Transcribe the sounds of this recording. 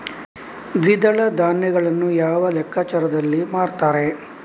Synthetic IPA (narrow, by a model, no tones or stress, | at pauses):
ʋ̪ʱid̪ɐɭɐd̪aːnːɛɡɐɭɐnːujaːʋɐlɛkʰːaːt͡ʃɐɾɐd̪ɐlːimaːɾt̪aːɾe̞